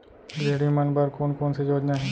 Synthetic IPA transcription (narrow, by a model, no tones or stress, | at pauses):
ɡɾeːɽimənbəɾkoːnkoːnsed͡ʒoːd͡ʒnaɦɛ̃ː